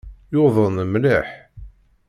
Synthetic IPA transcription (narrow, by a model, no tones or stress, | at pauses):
jʊðˤənəmliħ